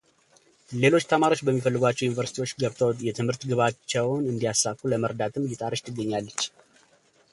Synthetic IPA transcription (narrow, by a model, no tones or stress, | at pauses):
le̞lo̞t͡ʃːt̪ʰəmaɾo̞t͡ʃːbəmːifəlːɨɡʷat͡ʃːɛwjunivəɾsit̪ʰiwo̞t͡ʃːɡəβt̪ʰəw̪jɛt̪ʰɨmhɨɾt̪ɡɨβat͡ʃːɛwnɨnd̪ijasːakʼːuləməɾd̪at̪ʰɨmjɪt̪ʼaɾəʃt̪ʰɨɡːəɲːalːət͡ʃː